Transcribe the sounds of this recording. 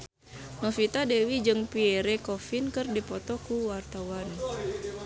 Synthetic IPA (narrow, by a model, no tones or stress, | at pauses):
nɔfit̪adɛwid͡ʒɨŋpiɛɾɛkɔfinkɨrdipɔt̪ɔkuwart̪awan